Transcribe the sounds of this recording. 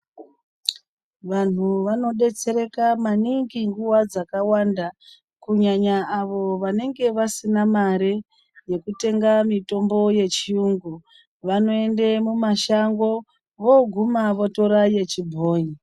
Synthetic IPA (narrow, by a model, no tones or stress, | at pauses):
ʋan̤uʋano̞ɗe̞t͡se̞ɾe̞kamaniŋɡiŋɡuwad͡zakawanda | kuɲaɲaːʋo̞ʋane̞ŋɡe̞ʋasinamaɾe | je̞kute̞ŋɡamito̞mbo̞je̞t͡ʃiuŋɡu | ʋano̞e̞ndemumaʃaŋɡo̞ | ʋo̞ɡʱumaʋo̞to̞ɾaje̞t͡ʃibʱoːɲi